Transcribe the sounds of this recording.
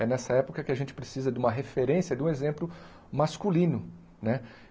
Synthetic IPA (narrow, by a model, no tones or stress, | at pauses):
ɛnɛsɐɛpokɐkɪaʒẽnt͡ʃɪ̥pɾesizɐd̪ɪũmɐɦefeɾẽsjɐd̪ɪũezẽmplʊ | maskulĩnʊ | nɛ